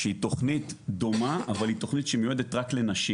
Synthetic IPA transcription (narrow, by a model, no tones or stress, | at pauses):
eito̞χnitd̪o̞maʔavalit̪o̞χnit̪ʃemjued̪etʁakle̞naʃi